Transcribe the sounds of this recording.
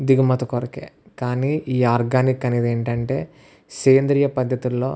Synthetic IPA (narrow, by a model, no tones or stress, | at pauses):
d̪iɡumɐt̪ɐkoɾɐkḛːkaːniːʔiːaːɾɡaːnikːɐniːd̪eːɳʈɐɳʈe̞ː | seːnd̪ɾijɐpɐd̪ʱjɐt̪ulːo̞̰ː